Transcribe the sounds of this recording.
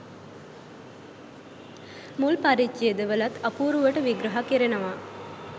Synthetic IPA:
mulpaɾit͡ʃːied̪əʋəlɐt̪ɐpuːɾuʋəʈəʋiɡɾɐɦakiɾenɐʋa

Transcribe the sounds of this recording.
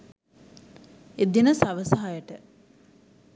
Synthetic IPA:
ed̪inəsaʋəsɐɦajəʈə

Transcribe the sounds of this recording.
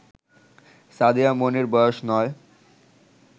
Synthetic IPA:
sad̪ijamoniɾbɔjoʃnɔe

